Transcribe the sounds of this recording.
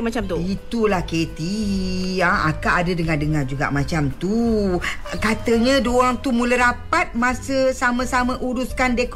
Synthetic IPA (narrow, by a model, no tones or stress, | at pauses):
mat͡ʃamt̪uit̪ulahket̪i | aa̰kaadədəŋadəŋard͡ʒuɡa̰ʔmat͡ʃamt̪u | kat̪əɲãdoaŋt̪umuləɾapat̪̚mãsəsamə̃samə̃ʔuɾuskandek